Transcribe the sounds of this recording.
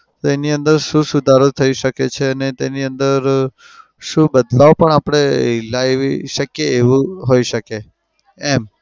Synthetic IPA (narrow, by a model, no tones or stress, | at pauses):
t̪oeniənd̪əɾʃũsʊd̪ʱaɾot̪ʰəiʃəket͡ʃʰeənet̪eniənd̪əɾ | ʃũbəd̪laʋpəɳapɽ̃eilaʋiʃəkjeːʋũɦoiʃəke | ɛm